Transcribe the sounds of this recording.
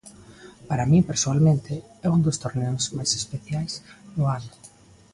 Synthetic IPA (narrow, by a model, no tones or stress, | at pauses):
paɾamĩpeɾsoalmẽnt̪e | ɛund̪ost̪oɾnɛʊsmajse̥speθjajsnʊanʊ